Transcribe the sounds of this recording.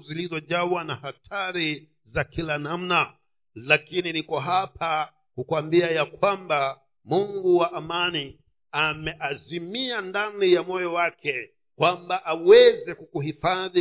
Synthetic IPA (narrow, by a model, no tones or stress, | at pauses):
zilizɔʄawanahatʰaɾi | zakilanam̩na | lakininikɔɦapʰa | kukwambiajakwamba | muŋɡuwaʔamani | amɛʔazimiandanijamɔjɔwakɛ | kwambaʔawɛzɛkukuhifaði